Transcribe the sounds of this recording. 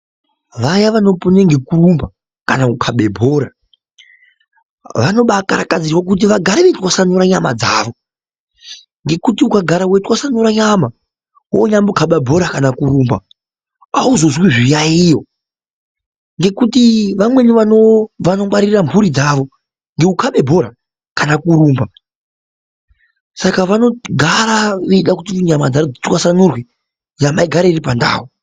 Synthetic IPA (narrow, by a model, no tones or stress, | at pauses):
ʋajaʋano̞puneŋɡe̞kurumba | kanaukʰaɓebʱo̞ːɾa | ʋano̞ɓakaɾakad͡zirwak̬ut̬iʋaɡʱaɾeʋetwasanuɾaɲama̰d͡zaːʋo̞ | ŋɡe̞kutiukaɡʱaɾawetwasanoɾaɲama | wo̰ɲambukʰaɓabʱo̞ɾakanakuɾuːmba | auzo̞zwiʐijaijo̞ | ŋɡe̞kutiʋamwe̞niʋanoʋanomaɾirambuɾid͡zaʋo̞ | ŋɡe̞ukʰaɓe̞bʱo̞ɾa | kanakuɾuːmba | sakaʋano̞ɡʱaɾaeiɗakutiuɲamad͡zaod͡zitwasanurwe | ɲamaiɡʱaɾairipanda̰ːwo